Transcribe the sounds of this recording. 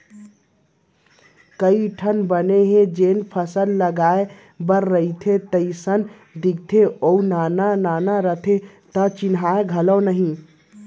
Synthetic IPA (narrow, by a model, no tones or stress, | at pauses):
kəiʈʰənbəneɦẽd͡ʒenpʰəsəlːəɡae | bəɾːəit̪ʰet̪əɪsən | d̪iɡ̚t̪ʰeʔounanananaɾət̪ʰe | t̪ət͡ʃinɦaeɡʱələwnəɦĩ